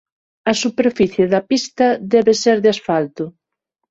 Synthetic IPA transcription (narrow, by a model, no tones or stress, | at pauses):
ɐsupeɾfiθjeðɐpist̪ɐðɛβeseɾðɪasfalt̪ʊ